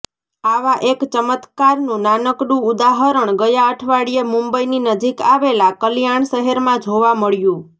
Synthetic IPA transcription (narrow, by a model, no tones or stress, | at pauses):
aʋaʔekt͡ʃəmət̪kaɾnũnanəkɖũud̪aɦəɾəɳ̃ɡəjaəʈʰʋaɽiemũmbəininəd͡ʒikaʋelakəljaɳʃəɦəɾmãd͡ʒʱoʋãməɭjũ